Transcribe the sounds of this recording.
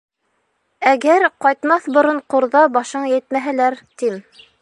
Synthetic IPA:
æɡæɾqɑjt̪mɑθbŏɾɤɴqŏɾðɑbɑʃɤɴjɘt̪mæɦælæɾt̪im

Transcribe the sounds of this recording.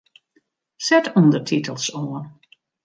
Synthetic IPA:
sɛtundətʰitəlˠsoən

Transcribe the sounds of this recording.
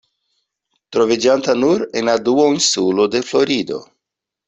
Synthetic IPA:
tɾo̞vid͡ʒantanuɾe̞̰nladuoinsulo̞de̞flo̞ɾido̞̰

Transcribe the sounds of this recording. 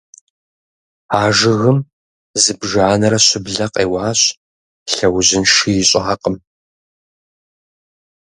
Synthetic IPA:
aːʒɪɣɨm | zɨbʒaːnɐɾɐɕɪbɮɐqʼeːwaːɕ | ɬɐwʑɪnʂijɪɕʼaːqʼəm

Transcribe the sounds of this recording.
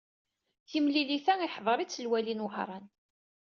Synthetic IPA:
θimliliθæiħðˤəɾˤit͡sːəlwælinwəħɾˤɑn

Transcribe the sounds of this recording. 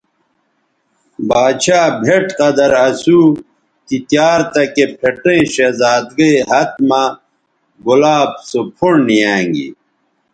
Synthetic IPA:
baːd̪ɕaːbʱeʈqɐd̪ɐɾɐsu | kit̪jaːɾt̪ɐkepʰeʈẽɕezaːd̪ɡeɦɐt̪̚mã | ɡulaːb̚sopʰoɳnijãːŋɡḭ

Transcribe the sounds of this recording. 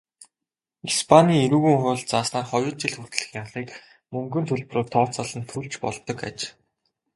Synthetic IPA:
ispʰanʲiːeɾuːɣuːŋχʊːɮt͡saːsnaːrχɔjʊːɮt͡ɕiɮxu̥t̪̆ɮ̆xiːŋaʁiːk | mɵŋɡɵ̆nt̪ʰɵɮpɵ̆roːrt̪ʰɔːt͡saɮə̆nt̪ʰuɮt͡ɕpɔ̰ɮt̪ɞ̆ka̰t͡ɕ

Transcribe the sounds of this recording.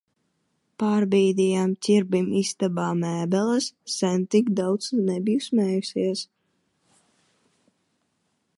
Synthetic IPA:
paːɾbiːd̪ijamt̪ʲiɾbimist̪abaːmæːbɛlˠasːɛnt̪ikd̪awt̪snɛbijusmɛːjusiɛs

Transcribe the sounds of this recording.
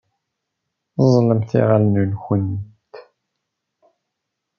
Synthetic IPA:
zˤləmθḭʁalnulxən | t̪

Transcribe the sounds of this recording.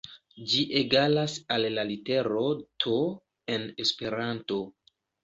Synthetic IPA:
d͡ʒiʔeɡalasalːalite̞ɾo̞tʰo | e̞ne̞spe̞ɾanto̞

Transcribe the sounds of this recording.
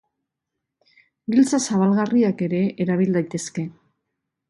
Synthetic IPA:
ɡilt͡sasaβalɣariake̞ɾe̞eɾaβ̞ild̪ajt̪e̞ske̞

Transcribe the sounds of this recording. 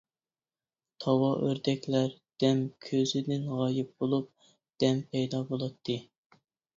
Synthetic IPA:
t̪ʰɑwɑʔøɾd̪ɛkʲlæɾd̪̥ɛmkʲʰøzɪd̪ɪnʁɑːjɪp̚bolˠup̚ | d̪̥ɛmpʰɛjd̪ɑbolˠɑt̪ʰːɨ

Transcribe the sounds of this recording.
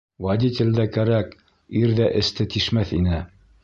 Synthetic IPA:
wad̪ʲit̪ʲɘ̆ld̪ækæɾæk | iɾðæʔɘ̆st̪ɘt̪iʃmæθinɘ

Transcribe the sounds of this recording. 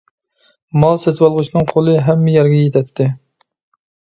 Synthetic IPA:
mɑlˠsɛt̪wɑlˠʁʊt͡ʃnɨŋqʰolˠɨɦɛmːɪjɛɾɡʲɛjet̪ʰɛt̪ʰːɪ

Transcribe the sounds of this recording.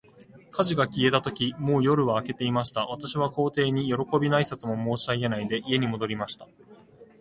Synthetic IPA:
kʰaʑiɡakʲie̞t̪at̪o̞kʲimo̞ːjo̞ɾɯ̟βaːke̞t̪e̞imaɕi̥t̪aβat̪aɕiβ̞ako̞ːt̪e̞ːɲ̟ijo̞ɾo̞ko̞bʲinaisat͡sɨmo̞mo̞ːɕaienaid̪e̞ʔie̞ɲ̟imo̞d̪o̞ɾʲimaɕi̥t̪ḁ

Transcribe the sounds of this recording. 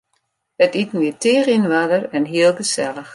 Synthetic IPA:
ətitnitɪːrinʋadərɛnɦiːəlˠɡəsɛləx

